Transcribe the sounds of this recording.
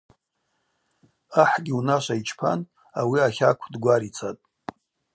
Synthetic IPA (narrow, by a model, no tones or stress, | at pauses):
aħɡʲiunaʃʷait͡ʃʰpʰa̰n | awiaχʲakʷʰdɡʷaɾit͡sʰatʼ